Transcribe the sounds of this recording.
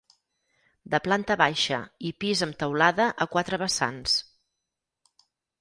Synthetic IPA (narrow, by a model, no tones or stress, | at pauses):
d̪əplant̪əβajʃə̰ipizəmt̪əwlaðəʔəkwat̪ɾəβəsa̰ns